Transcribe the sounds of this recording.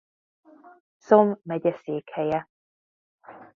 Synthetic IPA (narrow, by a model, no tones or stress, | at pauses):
somːɛɟɛseːkhɛjɛ